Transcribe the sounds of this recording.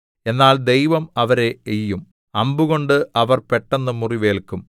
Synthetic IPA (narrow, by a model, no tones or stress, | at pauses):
e̞nːaːld̪e̞jʋɐmɐʋɐɾe̞ːjːum | ɐmbuɣo̞ɳɖɨʔɐʋɐrpe̞ʈːɐnːɨmuriʋe̞ːlkːum